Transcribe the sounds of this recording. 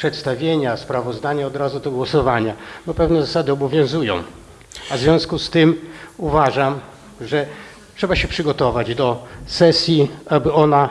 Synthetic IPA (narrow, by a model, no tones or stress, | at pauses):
pʂɛt̪st̪avʲjeɲaspɾavɔzd̪aɲaɔd̪ɾazud̪ɔɡwɔsɔvaɲabɔpɛvnɛzasad̪ɘɔbɔvʲjɔ̃w̃zujɔ̰̃w̃ | azvʲjɔ̃w̃skust̪ɘmuvaʐam | ʐɛ | tʂɛbaɕɛpʂɘɡɔt̪ɔvad͡ʑd̪ɔsɛsʲjiabɘɔna